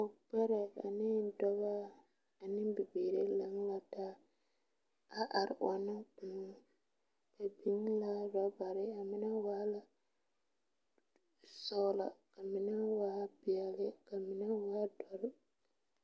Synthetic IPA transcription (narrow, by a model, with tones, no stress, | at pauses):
o˨k͡pɛ˦ɾɛ˨a̰˨nɪ˦dɔ˦ɣa˦ | a˨nɪ˦bɪ˨beː˨ɾe˦la˦ŋ˦la˦ta˦ | a˦ʔa˨ɾɪ̰˨ʔɔ˨nɪ˦k͡pu˨˦ | ka˨bi˦ŋ˦la˦ɾa˨ba˨ɾɪ˦a˨mɪ˦na˦waː˦la˨ | sɔ˦la̰˨ka˨mɪ˨na˦waː˦bɪ˨ɛ˨lɪ˦ka˨mɪ˨na˦waː˦dɔ˨˦ɾɪ˦